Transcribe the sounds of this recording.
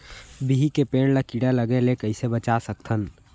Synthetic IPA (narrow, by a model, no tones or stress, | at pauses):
biɦikepeːnlakiɽaləɡelekəɪsebət͡ʃasək̚t̪ʰən